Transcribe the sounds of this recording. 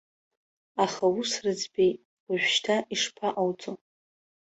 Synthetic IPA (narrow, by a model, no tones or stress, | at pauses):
aχawusrɨd͡zbejtʼ | aʒᶣʷʃtʰaʔiʂpʰaʔawt͡sʼo